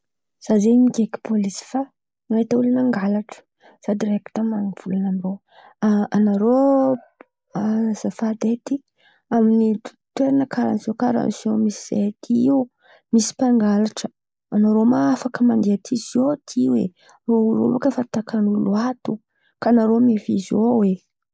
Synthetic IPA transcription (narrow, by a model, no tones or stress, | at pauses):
z̥azemiɡeki̥polisi̥fa | ŋait̪aulanaŋɡalaʈ͡ʂə̥ | z̥ad̪iɾeki̥t̪amaniv̥ulanamiro | aanaɾo | azəfad̪et̪i | amini | t̪weɾanəkʰaɾa̰niz̥okaɾa̰nzomisiz̥ḛat̪ʰiu | misi̥paŋɡalaʈ͡ʂə | anaɾomaafakəmand̪iat̪ʰizot̪ʰiwḛ | roro̰vakəfat̪akanuluat̪u | kanaɾomefizowe